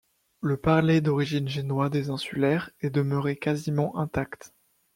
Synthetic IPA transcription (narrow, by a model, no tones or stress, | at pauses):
ləpaʁled̪ɔʁiʒinʒenwad̪ezɛ̃sylɛʁɛd̪əmœʁekazimɑ̃ʔɛ̃t̪akt̪